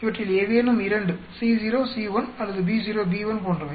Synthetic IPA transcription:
ɪʋɐʈrːɪleːʋeːnɯmɪɾɐɳɖɯ | siːd͡ʒiːɾoːsiːʋɐnɐlːɐðɯbiːd͡ʒiːɾoːbiːʋɐnkɔɳdrɐʋɐ

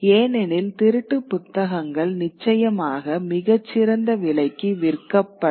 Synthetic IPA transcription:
eːnɛnɪlt̪ɪɾɯʈːɯpːʊt̪ːɐɣɐŋɡɐɭnɪt͡ʃːɐjɐmaːɣɐmɪɣɐt͡ʃːɪɾɐnd̪ɐʋɪɭɐɪkːɯʋɪɾkːɐpːɐ

